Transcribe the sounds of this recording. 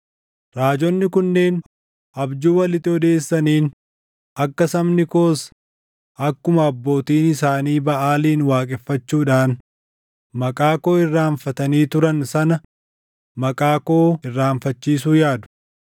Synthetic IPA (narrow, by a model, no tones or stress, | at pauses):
ɾaːd͡ʒɔnːɪkʊnːeːn | ʔɐbd͡ʒuːwɐlɪt̪ɪɔd̪e̞ːsːɐniːn | ɐkːɐsɐmnɪko̞ːs | ɐkːʊmɐːbːo̞ːt̪iːnɪsaːniːbɐʔaːliːnwaːkʼɛfːɐt͡ʃːuːᶑaːn | mɐkʼaːko̞ːɪrːaːɱfɐt̪ɐniːt̪ʊɾɐnsɐnɐ | mɐkʼaːko̞ːɪrːaːɱfɐt͡ʃːiːsuːjaːd̪ʊ̥